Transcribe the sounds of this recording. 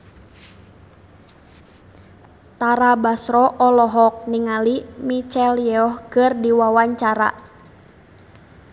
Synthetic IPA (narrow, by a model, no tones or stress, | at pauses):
t̪aɾabasɾɔʔɔlɔɦɔk̚niŋalimit͡ʃɛljɛɔhkɨrdiwawaɲt͡ʃaɾa̰